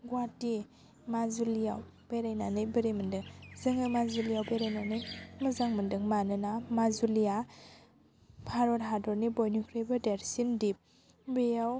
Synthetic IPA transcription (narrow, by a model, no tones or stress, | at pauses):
ɡwati | mazulijaw | b̥eɾajnanɯjbeɾemɯndɯŋzɯŋɯmazulijawbeɾajnanɯjmɐzaŋməndɯŋmanɯnamazulija | pʰaɾɔɾɦadɔɾnibɔjnukʰɾebɯdeɾsindip̚ | bejaw